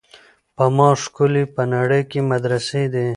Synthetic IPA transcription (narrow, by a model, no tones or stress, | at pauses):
pɐmɑ̃ːʂkulipənaɽejkemɐd̪ɾəsed̪e